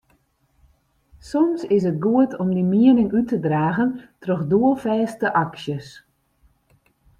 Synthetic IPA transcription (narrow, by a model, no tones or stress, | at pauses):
sɔmsɪs̬ət̚ɡuətʰɔmdimiənɪŋytədraːɣəntrɔxduəlˠfɛːstəʔɑksjəs